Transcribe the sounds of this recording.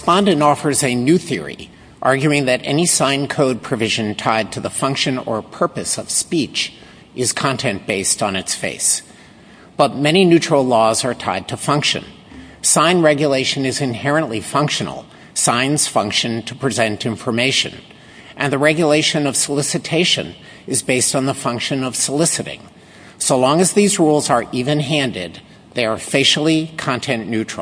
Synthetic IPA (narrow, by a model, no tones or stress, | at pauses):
spɑ̃ndɨ̃ntɔfə˞zɨnʉθɪɹḭ | ʔɑɹɡjʉɪ̃ŋðɨɾɛ̰nisãɪ̃nkʰoʊd̚pʰɹ̥ɨvɪʒɨ̃ntʰaɪd̚tʰɨðəfʌ̃ŋkʃɨ̃nə̰˞pʰɜ˞pɨsʌv̥spit͡ʃ | ɨz̥kʰɑ̃ntʰɛ̃nb̥eɪstn̩ɨtsfḛɪs | b̥ʌt̚mɛɾ̃inʉt͡ʃɹ̥l̩ˠlɔzə˞tʰa̰ɪd̚tʰɨfʌ̃ŋkʃɨ̰̃n | sãɪ̃nɹɛɡjɨleɪʃɨ̃nɨzɨ̃nhɛɹɨ̃nʔlifʌ̃ŋkʃɨn̰l̩ˠ | sãɪ̃nz̥fʌ̃ŋkʃɨ̃ntʰəpʰɹ̥izɛ̃ntɪ̃ɱfə˞meɪʃɨ̰̃n | ʔɨ̃nðɨɹɛɡjɨleɪʃɨ̃nʌv̥səlɪsɨtʰeɪʃɨ̰̃n | ɨzbeɪstn̩ðəfʌ̃ŋkʃɨ̃nʌv̥səlɪsɨɾɪ̰̃ŋ | soʊlɔ̃ŋɨzðizɹulˠzə˞ʔivɨ̃nɦæ̃ndɪ̰d̪̚ | ðeɪə˞feɪʃl̩ˠikʰɑ̃ntʰɛ̃nːʉt͡ʃɹ̥̰ˠ